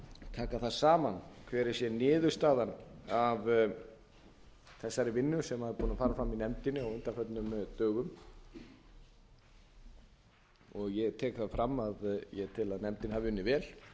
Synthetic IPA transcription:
t̪ʰaːkaθaðsaːmankʰvɛːɾɪ̥sjɛnɪːðʏ̥st̪aːðanav | θɛsːaɾɪvɪnːʏsɛmaɪɾpuːnafaːɾafɾamːinɛmt̪ɪnɪawʏnt̪afœt̪nʏmt̪œːɣʏm | ɔɣjɛɣt̪ʰɛːkθafɾamːaðjɛt̪ʰɪlaðnɛmt̪ɪnhavɪvɪnːɪvɛːl

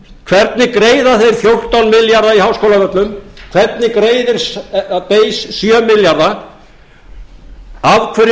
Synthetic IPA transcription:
kʰvɛɾt̪nɪkɾeːjðaθejɾ̥fjowr̥t̪awnmɪljaɾðaiɦawskowlavœt̪lʏmkʰv̥ɛɾt̪nɪkɾeːjðɪɾ̥speːjsːjœmɪljaɾða | avkʰvœɾ

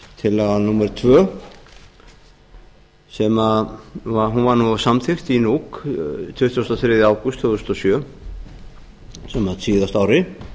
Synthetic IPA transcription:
t̪ʰɪlːɛɣanumɛɾʏt̪ʰvœː | sɛmaðvaɦunvaɾnuasamθʰext̪inuːkt̪ʰʏht̪ʰjust̪aθɾɪðɪaːwkʏst̪ʰːʏðʏst̪ɔsjœ | sɛmaðsiːðast̪aːwɾɪ

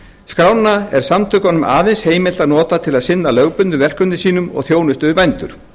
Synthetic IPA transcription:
skɾawnːaɛɾ̥samt̪ʰʏkɔnːʏmʔa̰ːðensheːjmɪl̥t̪aðnɔːt̪at̪ʰɪlaðsɪnːalœɣpʏnt̪ʏvɛr̥kʏnɪsiːnʏmɔ̰ɣθjoːwnʏst̪ʏɾpɛjnt̪ʏ̰ɾ̥

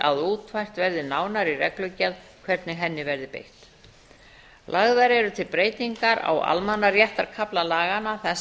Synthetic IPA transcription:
a̰ðuːt̪vajr̥t̪vɛɾðɪnaːwnaɾirɛklœɥcaðkʰv̥ɛɾt̪nɪɦɛnːɪvɛɾðɪpḛjht̪ | lʔaɣðaɾɛɾʏt̪ʰɪlpɾeːjt̪iŋkaɾa̰wa̰lmanarjɛht̪aɾkʰaplalaːɣanaθɛ

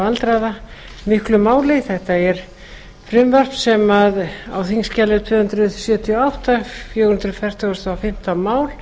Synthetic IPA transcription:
alt̪ɾaða | mɪhklʏmaːwlɪθɛht̪aɛɾ̥ | fɾʏmvar̥pssɛmaða̰wθiŋscalɪt̪ʰʏːhʏnt̪ɾʏsjœːt̪ʰiɔawht̪afjownt̪ɾʏfɛr̥t̪aɣst̪aafɪm̥t̪amaːwl

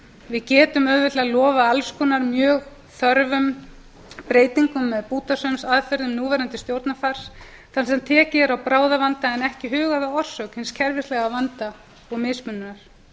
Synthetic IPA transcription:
vɪðcɛːt̪ʏmœðvɪt̪lɛalɔːvaalskɔnaɾmjœːɣ | θœɾvʏm | pɾeːjt̪iŋkʏmːɛðpuːt̪asœmsaðfɛɾðʏmnuːvɛːɾant̪ɪst̪jowɾt̪nafaɾ̥s | θansɛmt̪ʰɛːcɪɛɾawpɾaːwðavant̪aɛnɛhcɪɦʏːɣaðaɔr̥sœkhɪnscʰɛɾvɪst̪lɛɣavant̪a | ɔɣmɪspʏnːʏnaɾ̥

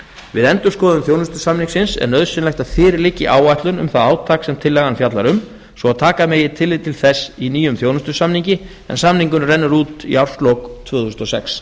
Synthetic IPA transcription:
vɪðɛnt̪ʏ̥skɔːðʏmθjoːwnʏst̪ʏsamniŋksɪnsɛ̰ɾnœðsɪnlɛxt̪að̥fɪːɾɪlɪcːɪʔaːwvajht̪lʏnʏ̰mθaðaːwt̪ʰaːksɛmt̪ʰɪlːɛɣanfjat̪laɾʏm | svɔaðt̪ʰaːkameːjɪt̪ʰɪlːɪt̪ʰɪlθɛsːiniːjʏmθjoːwnʏst̪ʏsamniɲcɪ | ɛ̰nsamniŋkʏnrɛnːʏɾuːt̪ḭawɾ̥st̪lowkt̪ʰvʏːɣθusnɔsɛ̰ks

